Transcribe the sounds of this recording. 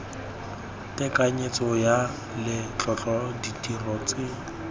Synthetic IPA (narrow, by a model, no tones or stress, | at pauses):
tɛkaɲet͡sɔja | lɪt͡ɬɔt͡ɬʼɔditirɔt͡sɪ